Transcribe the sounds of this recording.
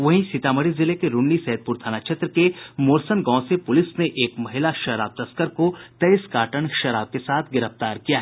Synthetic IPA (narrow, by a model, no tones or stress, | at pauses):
ʋɐɦĩsɪt̪aːməɾizɪlekeɾʊɳːisɐɦəd̪̚pʊɾt̪ʰaːnat͡ʃʰɐt̪ɾəkemoːɾsənɡɔ̃ːsepʊlɪsneʔeːkmɐɦɪlaʃɐɾaːb̚t̪ɐskəɾkot̪ɐɪskaːʈəɳʃɐɾaːb̚kesaːt̪ʰɡɪɾəft̪aːɾkijaɦɛ